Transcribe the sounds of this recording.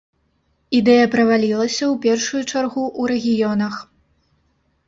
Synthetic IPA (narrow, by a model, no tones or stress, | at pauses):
id̪ɛjɐpɾɐvalʲilˠɐsʲɐwpʲɛrʂujut͡ʂarɣuʔuɾɛɣʲijɔnɐx